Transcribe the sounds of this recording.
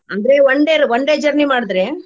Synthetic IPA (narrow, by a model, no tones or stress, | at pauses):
ʔɐnɡɾeːʋɐɳɖeːɾʋɔɳɖeːd͡ʒɐɾnimaːɽɯðɯɾẽː